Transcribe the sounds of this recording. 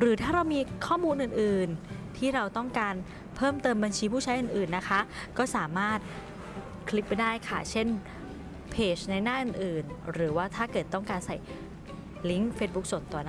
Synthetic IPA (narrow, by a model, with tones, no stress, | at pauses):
ɾɯː˩˦t̪ʰaː˥˩ɾa˧wmiː˧kʰɔː˥˩muː˧nʔɯː˨˩nʔɯː˨˩nt̪ʰiː˥˩ɾa˧wt̪ɔ˥˩ŋkaː˧n | pʰɤː˥˩mt̪ɤː˧mba˧nt͡ɕʰiː˧pʰuː˥˩a˦˥jʔɯː˨˩nʔɯː˨˩nːa˦˥kʰa˦˥ʔkɔː˥˩saː˩˦maː˥˩t̪̚ | kʰli˦˥p̚ːa˧jdaː˥˩jkʰa˥˩t͡ɕʰe˥˩n | pʰeː˨˩t͡ɕna˧jnaː˥˩nʔɯː˨˩nʔɯː˨˩nɾɯː˩˦waː˥˩t̪ʰaː˥˩kɤː˨˩t̪ːɔ˥˩ŋkaː˧nsa˨˩j | li˦˥ŋfeː˦˥t̪̚bu˦˥k̚so˨˩nt̪ɔː˨˩na˦